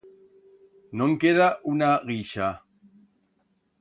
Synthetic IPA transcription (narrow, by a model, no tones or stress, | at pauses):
nõŋkeðaʔunaɣiʃa